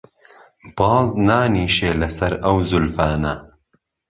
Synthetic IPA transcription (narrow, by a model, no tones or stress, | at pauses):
b̥ɑːznaːniːʃeːlɐsɐɾɐwzʊlfaːnɐ